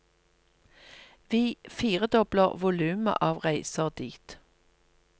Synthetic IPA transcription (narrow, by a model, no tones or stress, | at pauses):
ʋiːfiːʁəd̪ɔbləʁʋʊlʉːmə̰ʔɑːʋʁæɪsəʁd̪iːt̪